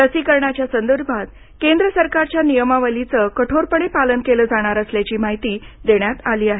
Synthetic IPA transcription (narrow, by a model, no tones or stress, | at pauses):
əsikəɾɳat͡ɕjasənd̪əɾbʱat̪ | kend̪ɾəsəɾkaɾt͡ɕjanijəmaʋəlit͡səkəʈʰoɾpəɳ̃epalənkeləːd͡zaɽ̃aɾəsljat͡ɕiːmaɦit̪iːd̪eɳ̃jat̪aliːaɦe